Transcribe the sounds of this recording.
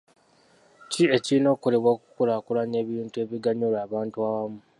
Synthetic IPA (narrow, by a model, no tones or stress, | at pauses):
cie̞cino̞ːko̞le̞βwaku̥kulakulaɲe̞ːβiːntue̞ːβiɡaɲulaːβaːntuawamu